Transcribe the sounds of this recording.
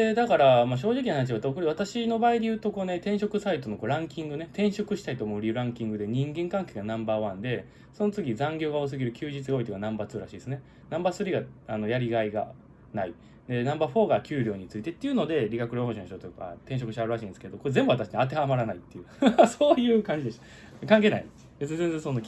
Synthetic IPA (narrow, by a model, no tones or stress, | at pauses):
ed̪akaɾamaɕ̬o̞ːʑikʲihanat͡ɕiβat̪aokoɾiβat̪aɕino̞baːid̪e̞jɯ̟ːt̪o̞ko̞ːne̞t̪ẽ̞ɰ̃ɕo̞kɯ̟sait̪o̞no̞ko̞ːɾãŋkʲĩŋɡɯ̟net̪ẽ̞ɰ̃ɕo̞kɯ̟ɕi̥t̪ait̪oːmoɯɾʲiɯ̟ɾãŋkʲĩŋɡɯ̟d̪e̞ɲ̟ĩŋɡẽ̞ŋkãŋke̞ːɡanãmbaːβãnd̪e̞ | so̞not͡sɨɡʲizãŋɡʲo̞ːɡaos̬ɨɡʲiɾɯ̟kʲɨːʑit͡sɨɡao̞it̪eɡanãmbat͡sɨːɾa̰ɕiːd̪sɨne | nãmbasɨɾʲiɡaano̞jaɾʲiɡaiɡa̰ | nai | d̪e̞nãmbaːɸo̞ːɡakʲɨːɾʲo̞ːɲ̟it͡sɨit̪e̞t̪ːeiɯ̟no̞d̪e̞ɾʲiɡakɯɾohõɕõɕit̪ot̪oka̰t̪ẽ̞ɕ̬o̞kɯ̟ɕiaɾɯ̟ɾaɕĩːnsɨ̥ked̪o̞koezembɯ̟βat̪aɕi̥ɲat̪̬e̞hamaɾanait̪ːe̞ɯ̟ːasoːjɯ̟ːkãɲ̟d͡ʑid̪eɕo | kãŋk̬e̞ːna̰ḭ | bezd͡zẽ̞nd͡zẽsono